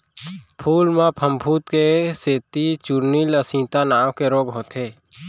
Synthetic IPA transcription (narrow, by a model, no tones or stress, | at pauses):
pʰuːlmãpʰəmbʱuːt̪keseːt̪it͡ʃuɾniləsĩːt̪anaːwkeɾoːɡɦoːt̪eː